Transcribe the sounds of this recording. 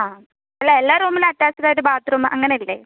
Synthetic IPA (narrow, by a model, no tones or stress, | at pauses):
aː | ɐlːaelːaːɾuːmilɐtːjaːsɐɾaːoɾubaːt̪ɾuːmʔɐŋːɐneilːḛː